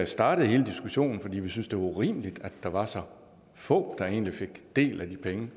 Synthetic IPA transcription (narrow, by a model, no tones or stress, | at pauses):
sd̥ɑ̈ːɾ̥ð̩ˠhe̝ːləd̥isɡ̥uɕo̝̰ːnn̩fɒ̽d̥ḭːʋisynsd̥e̝ʋɑ̈uʁḭːməlid̥æd̥ɑ̈ʋɑ̈sɒ̽ | fɔ̰̽ːd̥ɑ̈e̝̰ːnlife̝ɡ̥d̥e̝̰ːlæd̥ipʰeŋə